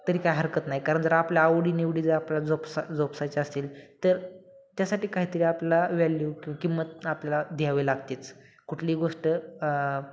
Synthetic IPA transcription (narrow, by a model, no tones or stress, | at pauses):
t̪əɾiːkajɦəɾkət̪naɦikaɾəɳd͡zəɾapljaːʋɽiːniʋɽiːd͡zəɾaplad͡zɔpsad͡zɔpsajt͡ɕaəst̪iːlt̪əɾ | t̪jasaʈiːkaɦiːt̪əɾiːapljalaʋɛljukikimət̪̚apljalad̪ʱjaʋelaɡt̪et͡s | kuʈʰliːɡoʂʈə